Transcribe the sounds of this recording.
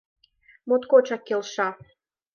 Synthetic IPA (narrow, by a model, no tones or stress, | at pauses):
mot̪kot͡ɕɑkkːelʃɑ